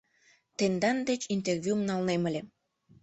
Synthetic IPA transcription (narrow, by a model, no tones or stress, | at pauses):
t̪end̪ɑnd̪et͡ɕint̪ervʲjumnɑlnemə̆lʲe